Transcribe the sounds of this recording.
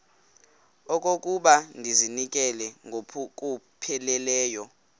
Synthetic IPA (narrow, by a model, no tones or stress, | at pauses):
ɔk̬ʼokʼuɓandʱizinikʼɛlɛk̬ʼu | pʰɛlɛlɛːjɔ